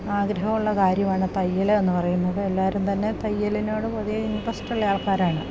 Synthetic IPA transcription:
aːɡɾɐɦɐmuɭːɐkaːɾjɐmaːɳɨt̪ɐjːɐlɐenːɨpɐrɐjunːɐðɨelːaːɾumt̪ɐnːe̞t̪ɐjːɐlino̞ːɽɨpoðijɐindɐsʈɐljaːɭkaːɾaːɳɨ

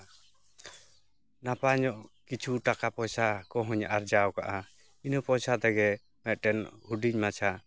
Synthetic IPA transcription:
napaɲɔʔkit͡ʃʰuʈakapɔsakɔɦuɲaʔaɾd͡ʒawkaʔa | inupɔsat̪ɛɡɛ | mɛt̪̚ˀʈɛnhuɖiɲmat͡ʃʰa

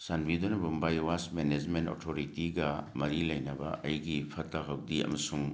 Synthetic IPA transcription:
sanbidonɐbumbajwasmened͡ʒmento̰tʰoɾitiɡɐmɐɾilɐjnɐbɐ̰ʔɐjɡipʰɐtːaɦɐwdiɐ̰mɐsuŋ

